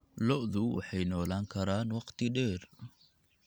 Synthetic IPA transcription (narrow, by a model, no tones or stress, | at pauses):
lɔʔðʊwɑ̰ħɑjnɔːlaːŋkʰɐɾaːnwɑqt̪ɪɗɛːr